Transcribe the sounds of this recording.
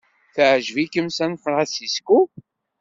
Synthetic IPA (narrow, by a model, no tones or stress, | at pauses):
θəʕʒvikəmsænfɾˤɑsisku